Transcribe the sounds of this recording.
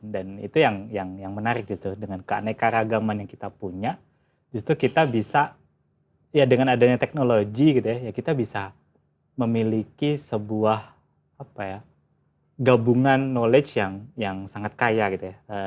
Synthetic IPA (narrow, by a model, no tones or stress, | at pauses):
danḭt̪ujaŋjaŋjaŋmənaɾɪk̚d͡ʒust̪ɾudəŋankəa̰najkaɾaɡamanjaŋkit̪apuɲa | d͡ʒust̪ɾukit̪abisa | jadəŋanadaɲat̪ɛk̚noloɡiɡit̪ujajakit̪abisa | məmilikisəbuah | apaja | ɡabuŋanːoled͡ʒjaŋjaŋsaŋat̪̚kajaɡit̪ujaə